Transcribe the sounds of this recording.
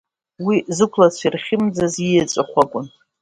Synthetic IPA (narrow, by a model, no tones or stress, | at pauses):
wizɨkʷʰlat͡sʷʰirχʲɪmd͡zazijat͡sʷʼɨχʷakʷʼʊn